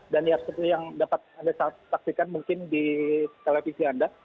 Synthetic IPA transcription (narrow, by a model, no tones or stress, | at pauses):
danjasət̪ijaŋdapat̪̚andasasak̚sikanmuŋkɪndit̪elefisianda